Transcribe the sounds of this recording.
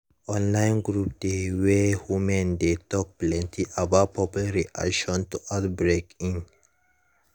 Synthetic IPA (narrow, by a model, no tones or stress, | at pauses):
ʔɔ̃nlaɪ̃nɡɾup̚d̪̥ewehumɛ̃nd̪et̪ɔk̚plɛ̃nt̪ʰiʔabapʰɔplɾiʔa̰kʃɔ̃nt̪uʔat̪bɾekĩn